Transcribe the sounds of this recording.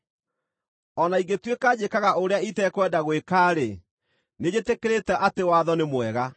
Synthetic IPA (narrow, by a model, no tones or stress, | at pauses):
ɔnaiɡetwekad͡ʑekaɣaʔoɾeaitɛkwɛdaɣwekaːɾe | ned͡ʑetekeɾetɛʔatewaːðɔnemwɛɣa